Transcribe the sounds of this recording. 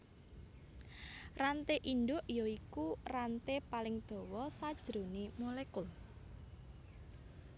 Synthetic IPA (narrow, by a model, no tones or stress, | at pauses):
rant̪eʔindʊʔjɔikurant̪epalɪŋd̪̥oɔ̤wɔsad̥ʒ̥ɾonemolekʊl